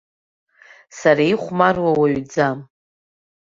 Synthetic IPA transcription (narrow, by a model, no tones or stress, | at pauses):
saɾaiχʷmarwawaɥd͡zam